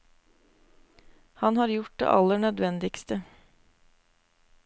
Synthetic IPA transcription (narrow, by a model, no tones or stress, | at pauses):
hɑnhɑːɾjʊʈ̚d̪ḛːʔɑlːəɳœd̪ʋɛnd̪ɪkst̪ə